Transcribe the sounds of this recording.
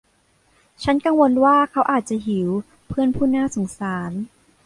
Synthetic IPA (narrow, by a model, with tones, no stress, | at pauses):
t͡ɕʰa˦˥nka˧ŋwo˧nwaː˥˩kʰa˦˥wʔaː˨˩t̪̚t͡ɕa˨˩ɦi˨˩˦w | pʰɯ˥˩ənpʰuː˥˩naː˥˩so˩˦ŋsaː˩˦n